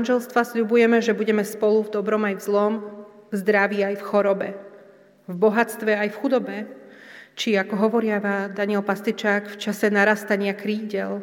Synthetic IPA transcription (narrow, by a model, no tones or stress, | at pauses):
anʒɛlst̪ʋasʎubujɛmɛʒɛbuɟɛmɛspɔluvd̪ɔbɾɔmajvzlɔmvzd̪ɾaʋiajfxɔɾɔbɛ | vbɔɦat͡st̪ʋɛajfxud̪ɔbɛ | t͡ʃiakɔɦɔʋɔɾɪaʋad̪aɲɪɛlpast̪it͡ʃaːkft͡ʃasɛnaɾast̪aɲɪakɾiːɟɛl